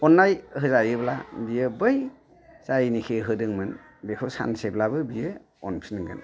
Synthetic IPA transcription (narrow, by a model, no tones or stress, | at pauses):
ɔnːajhɯzajɯbla̰bijɯbɯj | zajnikʰeɦɯdɯŋmɯn | bekʰosa̰nseblabɯbijɯ | ɔ̰npʰinŋɡɯ̰n